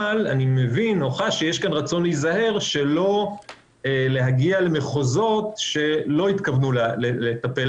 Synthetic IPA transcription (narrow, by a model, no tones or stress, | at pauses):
la̰nimevino̞χaʃejeʃkanʁat͡so̞nliizahe̞ʁʃe̞lo̞ | ele̞ɦaɡiale̞meχozo̞t̪ʃe̞lo̞it̪kavnullelet̪apel